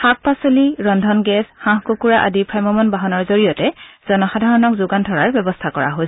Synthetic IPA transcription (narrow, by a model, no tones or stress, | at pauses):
xak̚pasoliɹɔndʱɔnɡɛsxãɦkokuɹaʔa̰dipʰɹamɔmɔnbaɦɔnɔɹzoɹijɔtɛz̥ɔnɔxadʱaɹɔnɔkzʊɡandʰʱɔɹaɹbɛbɔstʰakɔɹa̰ɦo